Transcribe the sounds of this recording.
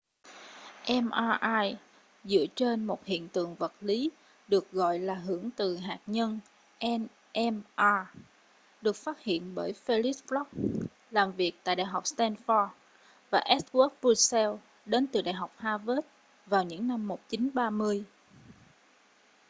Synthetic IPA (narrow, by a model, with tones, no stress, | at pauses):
ʔɛ˧mʔaː˧ʔaː˧j | zɨ̰˧˥ət͡ɕe˧nmo˨˩t̚hḭ˧˨ənt̪ɨ̰˧˨əŋvə˨˩t̚li˨˦ | ɗɨ˨˩ək̚ɣɔ̰˧˨jlaː˨˩ɦɨ˧˩əŋt̪ɨ˨˩ɦaː˨˩t̚ɲə˧n | ʔɛ˧n | ʔɛ˧mʔaː˧ | ɗɨ˨˩ək̚faː˦˥t̚hḭ˧˨ənɓəː˧˩jfe˧li˦˥plɔ˦˥k̚ | laː˨˩mvi˨˩ək̚t̪a̰ː˧˨jɗa̰ː˧˨jɦa˨˩wk͡p̚st̪ɛ˧nfɔ˧t̚ | vaː˨˩ʔɛ˦˥t̚wu˦˥k̚bu˧sɛ˧w | ɗe˨˦nt̪ɨ˨˩ɗa̰ː˧˨jɦa˨˩wk͡p̚haː˧ve˦˥t̚ | vaː˨˩wɲɨ̰˧˥ŋna˧mːo˨˩t̚t͡ɕi˨˦nɓaː˧mɨ˧əj